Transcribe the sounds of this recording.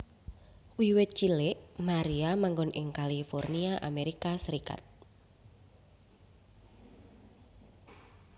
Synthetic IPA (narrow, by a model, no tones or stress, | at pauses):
wiwɪt̪̚t͡ʃilɪʔmaɾiamaŋɡɔnʔɪŋkalifɔrniaʔameɾikasəɾika̰t̪̚